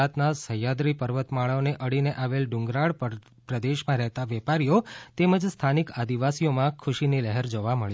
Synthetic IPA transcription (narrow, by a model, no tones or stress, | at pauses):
at̪nasəjad̪ɾipəɾʋət̪maɭaoneʔəɽineʔaʋelɖʊ̃ŋɡɾaɭpə | pɾəd̪eʃmãɾɛɦt̪aʋɛpaɾijot̪eməd͡ʒst̪ʰanikad̪iʋasijomãkʰʊʃiniləɦəɾd͡ʒoʋaməɭ